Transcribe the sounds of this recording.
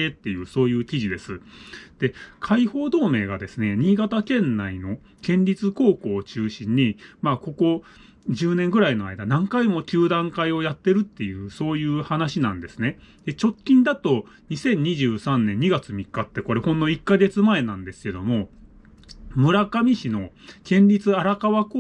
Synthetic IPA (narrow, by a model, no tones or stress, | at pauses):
et̪ːe̞jɯ̟ːso̞ːjɯ̟ːkʲiʑid̪e̞sɨd̪̥e̞kʰaiho̞ːd̪o̞ːme̞ːɡad̪e̞sɨne̞ɲ̟iːɡat̪akẽ̞nːaino̞ | kẽ̞ɲɾʲit͡sɨko̞ːko̞ːt͡ɕɨːɕĩɲ̟ːimaːko̞ko̞ | ʑɨːnẽŋɡɯ̟ɾaino̞a̰id̪anãŋkaimo̞kʲɨːd̪ãŋkaio̞jat̪ːe̞ɾɯ̟t̪ːe̞jɯ̟ːso̞ːjɯ̟ːhanaɕinãnd̪e̞sɨne̞ | d̪̥e̞t͡ɕo̞kʲːĩnd̪at̪o̞ | ɲ̟isẽ̞ɲ̟ːiʑɨːsãnːẽ̞ɲ̟ːiɡat͡sɨmʲikːat̪ːe̞ko̞ɾe̞hõ̞nːo̞ikːaɡe̞t͡sɨmae̞nãnd̪e̞sɨ̥ke̞d̪o̞mo̞ | mɯ̟ɾakamʲiɕino̞ | kẽ̞ɲɾʲit͡sɨaɾakaβako